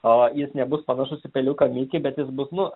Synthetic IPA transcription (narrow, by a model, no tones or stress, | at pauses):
oːjɪsnʲɛbʊspɐnɐʃʊsʲɪpʲɛlʲʊkɐmʲiːkʲɪbʲɛt̪jɪsbʊsnʊ